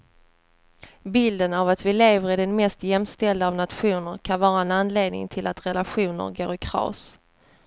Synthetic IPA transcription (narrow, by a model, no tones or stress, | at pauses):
bɪld̪ənavat̪vɪleːvəɾɪɖɛnmɛst̪jɛmst̪ɛld̪əːvnat̪ɧuːnəɾkʰanvɑːɾaɛnanleːd̪nɪ̰ŋt̪ʰɪlat̪ɾɛlaɧuːnə̰ɾɡo̰ːɾɪkʰɾɑ̰ːs